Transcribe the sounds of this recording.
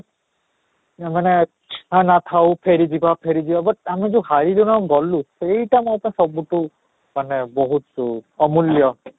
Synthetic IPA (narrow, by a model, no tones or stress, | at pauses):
manɛ | ɦãnat̪ʰawpʰeɹidibapʰeɹidibabɔt̚amizɔhaɹilunɔɡɔlʊsejtamɔjapnasɔbutʊ | manɛbɔɦutɔmulijɔ